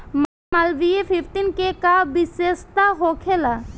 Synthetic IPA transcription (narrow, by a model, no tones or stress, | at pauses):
mamɐlʋiepʰɪft̪inkekabɪseːst̪aɦokʰela